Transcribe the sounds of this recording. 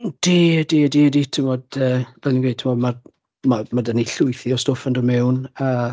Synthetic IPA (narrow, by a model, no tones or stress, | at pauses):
d̥idiədiəditʰɪmɔdəːv̥ɛlinɡwejd̚tʰɪmɔdma | mamadəniɬʊjθiɔstofəndɔmɛwna